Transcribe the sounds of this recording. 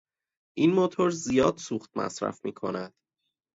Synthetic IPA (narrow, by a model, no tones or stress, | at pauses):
ʔinmot̪ʰoɾzijɒːd̪̥suːxt̪̚mʔæ̰sɾæ̰fmiːkʰo̞næd̪̥